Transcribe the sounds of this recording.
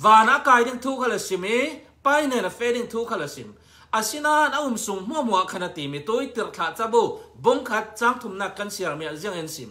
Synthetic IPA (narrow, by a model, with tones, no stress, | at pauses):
vaː˨na˨ʔkaː˨jdi˥ŋt̪ʰuː˦kʰɐ˧lɐ˨si˨mi˦ | pɐ˦jnɛ˨nɐ˨fɛ˦di˥ŋt̪ʰuː˦kʰɐ˧lɐ˨sḭ˨m | ʔɐ˨si˦naː˦nɐu˨msu˨ŋm̥u˦ɐ˦mu˨a˨ʔkʰɐ˧nɐ˧t̪i˨mi˨t̪u˦jt̪i˨rt͡ɬʰa˨ʔt͡sɐ˦bu˧˨bu˦ŋkʰɐ˦t̪̚t͡saː˦˥ŋt̪ʰu˨mnaː˥˩kːɐ˦nsi˧ɐrmi˧˨a˨zi˧˦əŋi˧nsḭ˨m